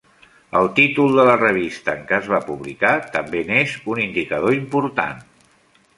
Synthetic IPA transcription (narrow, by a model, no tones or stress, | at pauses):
əlˠt̪it̪ulˠd̪ələrəβ̞ist̪əːŋkəːzβapuβlikat̪əmbenezunind̪ikəðoimpuɾt̪a̰n